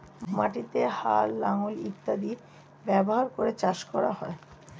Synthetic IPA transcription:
maʈit̪ehalːaŋolḭt̪ːad̪i | bɛboɦaɾkoɾet͡ɕaʃkɔɾa̰hɔe

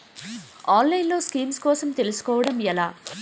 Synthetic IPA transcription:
aːnlɐjnlo̞ːskiːmskɔːsɐmt̪e̞lusu̥kɔːʋɐɽɐmɛlaː

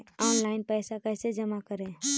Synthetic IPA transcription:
ɔnlaɪnpəjsakəjsed͡ʒəmakəɾẽ

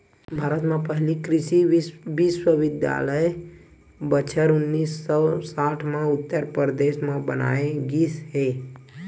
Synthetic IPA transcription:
bʱaːɾət̪mẽpəɦlikɾɪʃiʋɪʃwəʋɪd̪ja̰ːləj | bət͡ʃʰəɾʊnːiːsɔsaːʈʰmẽʊt̪ːəɾpəɾd̪eːʃmẽbəna̰ːẽɡisɦeː

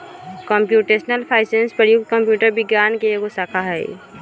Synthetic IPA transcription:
kɔmpjuʈesnəlpʰaːɪsenspɾəjuk̚t̪̚kəmpjuːʈəɾbɪɡjankeeɡosakʰaɦɛḭ

